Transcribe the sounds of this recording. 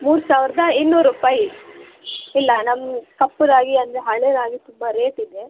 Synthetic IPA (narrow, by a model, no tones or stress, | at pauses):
muːɾusaːʋɾɐd̪ɐinːuɾuːpaːji | ilːɐnɐmːkɐpːuɾaːɡiɐnd̪ɐɾeɦɐɭeɾaːɡit̪umbɐɾeːʈid̪e